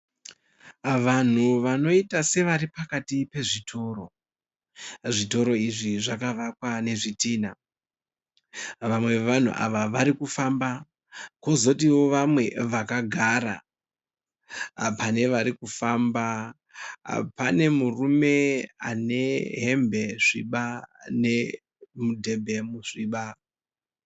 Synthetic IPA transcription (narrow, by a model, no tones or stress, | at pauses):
ʋan̤uʋano̞itase̞ʋaɾipakatipe̞ʐitʰo̞ːɾo̞ | ʐito̞ɾo̞iʐiʐakaʋakwane̞ʐitiːna | ʋamwe̞ʋan̤ṵʔa̰ʋaʋaɾikufamba | ko̞zo̞tiwo̞ʋamwe̞ʋakaɡʱaɾa̰ | pane̞ʋaɾikufaːmba | pane̞murume̞a̰ne̞ɦe̞mbʱe̞ʐiɓane̞ | mudʱe̞bʱe̞muʂiɓa